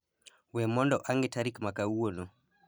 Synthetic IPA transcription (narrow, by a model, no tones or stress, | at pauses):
wɛmɔndɔʔaŋɡɛtaɾikmakauɔnɔ